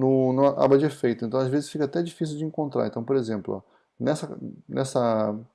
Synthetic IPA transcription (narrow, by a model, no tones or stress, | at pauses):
nʊnʊaʔa̰bɐd͡ʒɪefejt̪ʊẽt̪ɐ̃w̃azvezɪsfikɐat̪ɛd͡ʒifis̬iwd͡ʒɪẽŋkõnt̪ɾaɾẽnt̪ɐ̃w̃poɾezẽmplʊ̰ | nɛsɐnʔɛsɐ